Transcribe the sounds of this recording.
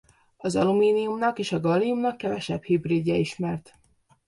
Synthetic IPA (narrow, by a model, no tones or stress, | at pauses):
ɒzɒ̰lumiːnijumnɒkeːʃɒɡɒlːijumnɒkːɛvɛʃɛbhibreːd̪ːɛiʃmɛrt̪